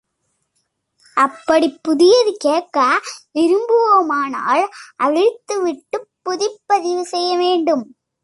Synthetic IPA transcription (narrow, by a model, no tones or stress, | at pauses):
ʔɐpːɐɽipːʊðɪjɐðɯkeːkːɐɪɾɯmbɯʋomaːna̰ːlʔɐɻɪt̪ːɯʋɪʈːɯpːʊðɪpːɐðɪʋɯsɛjːɐʋeːɳɖɯm